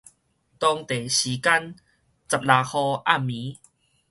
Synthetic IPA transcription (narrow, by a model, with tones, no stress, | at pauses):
t̪ɔ˧ŋt̪e˨˩ɕiː˨˦ka˦n | t͡sa˨p̚la˨˩hɔ˧a˥˩mːĩ˨˦